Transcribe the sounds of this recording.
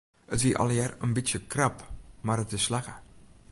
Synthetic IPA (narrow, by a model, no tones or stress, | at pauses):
ətʋiəʔɑ̰lˠjɛrənbɪtjəkrapmaːɾətɪsːlaxə